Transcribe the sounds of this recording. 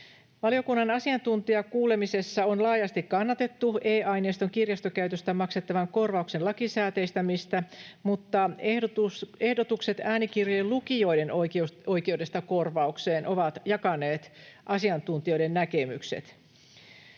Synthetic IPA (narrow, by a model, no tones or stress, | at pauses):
ʋɑlio̞kunːɑnɑsiɑnt̪unt̪iɑkuːle̞mise̞sːɑonlɑːjɑst̪ikkːɑnːɑt̪et̪ːueːʔɑjneːst̪oŋkirjɑst̪okæyt̪øst̪æmɑkset̪ːɑʋɑŋko̞rʋɑuksenlɑkisæːt̪eist̪æmist̪æmut̪ːɑ | ehdot̪ukset̪æːnik̟irjelukio̞jdenouoijkeude̞st̪ɑko̞rʋɑukse̞ːnʔo̞ʋɑt̪jɑkɑne̞ːt̪ʔɑsiɑnt̪unt̪io̞jde̞nnækemyksḛt̪